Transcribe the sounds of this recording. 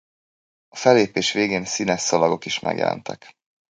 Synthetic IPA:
ɒfɛlːeːpeːʃʋeːɡeːnsinɛsːɒlɒɡo̞kiʃmʔɛ̰ɡjɛ̰lɛ̰nt̪ʰɛk

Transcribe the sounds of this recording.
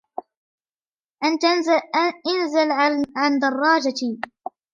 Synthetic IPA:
ʔant̪ | ʔanzɪlʕand̪ɑrˤːɑːd͡ʒat̪i

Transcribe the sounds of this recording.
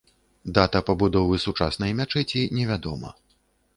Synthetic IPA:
d̪at̪ɐpɐbud̪ɔvɨsut͡ʂasnɐjmʲat͡ʂɛt͡sʲinʲɛvʲad̪ɔmɐ̰

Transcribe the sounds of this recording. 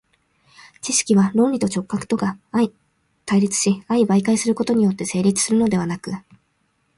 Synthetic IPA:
t͡ɕiɕi̥kʲiβaɾõ̞nʲɾʲit̪o̞t͡ɕo̞kːakɯ̟̥t̪o̞ɡaai | t̪aiɾʲit͡sɨ̥ɕiaibaikaisɨɾɯ̟ko̞t̪o̞ɲ̟ijo̞t̪ːe̞se̞ːɾʲit͡sɨ̥sɨɾɯ̟no̞d̪e̞β̞anakɯ̟

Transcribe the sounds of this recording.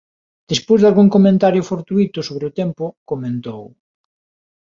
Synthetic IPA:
d̪̥espojzðalɣuŋkomẽnt̪aɾjʊfoɾt̪uit̪ʊsoβ̞ɾeʊt̪ɛmpʊkomẽnt̪ow

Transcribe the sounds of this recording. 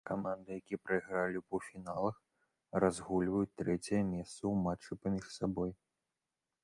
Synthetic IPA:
kamand̪ɨjakʲiɛpɾɐjɣɾalʲipɐwfʲinalˠɐx | razɣulʲvɐjut͡sʲt̪ɾɛt͡sʲɐjɐmʲɛst̪sɐwmat͡ʂːɨpamʲiʂsabɔj

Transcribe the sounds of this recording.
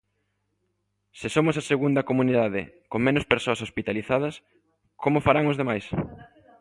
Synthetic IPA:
sɪsomʊsaseɣund̪ɐkomuniðað̞ɪ̰ | koŋmẽnʊspeɾsoɐsospit̪aliθað̞ɐs | komʊfaɾaŋʊzðemajs

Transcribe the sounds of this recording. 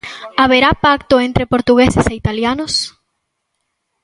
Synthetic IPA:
aβeɾapak̚t̪oent̪ɾepoɾt̪uɣeseseit̪aljanʊs

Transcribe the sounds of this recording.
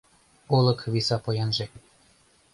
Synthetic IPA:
ulˠɤ̆kβisɑpojɑnʒe

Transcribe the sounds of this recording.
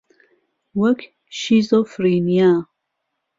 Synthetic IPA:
wɐkʰ | ʃizofriːnija

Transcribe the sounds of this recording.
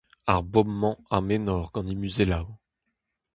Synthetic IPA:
a̰ʁbɔmːɑ̃amenɔʁɡ̥ɑ̃nimyzelaw

